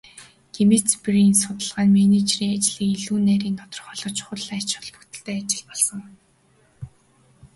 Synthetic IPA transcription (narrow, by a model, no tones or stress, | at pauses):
ɡ̥emet͡spriːnsʊt̪ə̆ɮʁaːnmænet͡ɕriːŋat͡ɕɮiːkiɮuːnːæːɾiːnt̪ɔt̪ɞ̆rχɔɮɞ̆t͡ɕχʊrɮæːt͡ɕχʊ̥̆ɮpɵ̥kt̪ɘ̆ɬt̪eːat͡ɕɪ̆ɮpɔɮsə̆ŋ